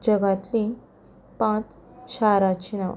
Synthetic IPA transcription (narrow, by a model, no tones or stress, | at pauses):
d͡ʑəɡat̪lĩ | pãt͡s | ɕaɾat͡ɕinaʋ̰